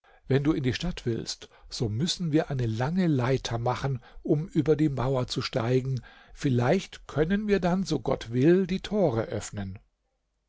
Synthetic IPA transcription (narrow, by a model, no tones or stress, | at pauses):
vɛnduːɪndiːʃtatv̥ɪ̰lstz̥oːmʏsn̩viːɐʔaɪnəlaŋəlaɪtʰɐmaχnʔʊmʔyːbɐdiːmaʊɐt͡suʃta̰ɪɡŋ̩ | fɪlaɪçtkʰœnənviːɐdanzoːɡɔ̰tv̥ɪldiːtʰoːʁəʔœ̰fnən